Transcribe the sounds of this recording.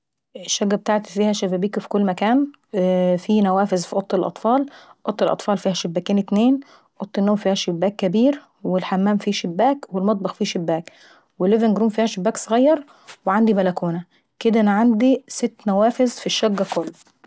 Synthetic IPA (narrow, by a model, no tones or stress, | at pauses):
ʔeʃːæɡːæbet̪aʕt̪fiːhæʃæbæːbiːkfi̥kolːmækæːn | fiːnæwæːfezfiʔot̪ˤːelʔɑ̰t̪ˤfɑːlʔot̪ˤːelʔɑ̰t̪ˤfɑːlfiːhæʃebːæːkiːnet̪neːn | ʔot̪ˤːenːoːmfiːhæʃebːæːkːæbiːɾ | welħamːæːmfiːʃebːæːkwelmɑt̪̚ˤbɑxfiːʃebːæːk | welːevenɡɾuːmfiːhæʃebːæːksˤɑɣɑjːɑɾˤ | weʕand̪ibælækuːnæ | ked̪æʔænæʕand̪iset̪ːnæwæːfezfiʃːæɡːækolː